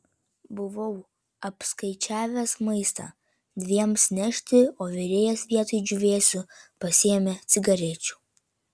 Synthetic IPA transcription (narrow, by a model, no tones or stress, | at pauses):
bʊʋɐʊ | ɐpskɐɪt͡ʃʲæːʋʲɛsmɐɪst̪ɑ̰ː | d̪ʲʋʲiɛmsnʲɛʃʲt̪ʲɪoːʋʲɪɾʲeːjɛsʋʲiɛt̪oɪd͡ʒʲʊʋʲeːsʲʊpɐsʲɪɛmʲet̪sʲɪɡɐɾʲɛt͡ʃʲu̥ː